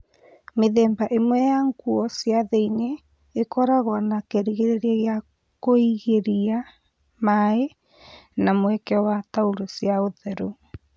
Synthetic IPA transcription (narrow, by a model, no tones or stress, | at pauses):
meðɛːmbaʔemwɛjaŋɡuɔsjaðeineː | kɔɾaɣwanakeɾiɣeɾeɾiaɣja | koiɣeɾia | mae | namwɛkɛɔwatauɾosjaoðɛɾo